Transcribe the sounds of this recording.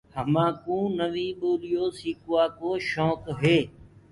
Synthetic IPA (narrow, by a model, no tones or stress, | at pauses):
həmãːkũːnəʋiːboːlijoːsiːkʊaːkoːʃɔːkɦeː